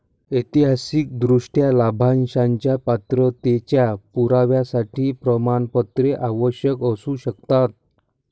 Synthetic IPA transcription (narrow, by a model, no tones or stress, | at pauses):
it̪iɦasik̚d̪ɾuʂʈjalabʱanɕãɲt͡ɕjapat̪ɾət̪et͡ɕjapuɾaʋjasaʈʰiːpɾəmaɳpət̪ɾeʔaʋəɕjəkəsuɕəkt̪at̪̚